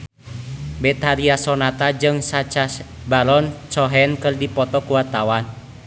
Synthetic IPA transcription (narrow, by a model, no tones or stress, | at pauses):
bɛt̪aɾiasɔnat̪ad͡ʒɨŋsat͡ʃasbalɔnsɔɦɛnkɨrdipɔt̪ɔkuwat̪awan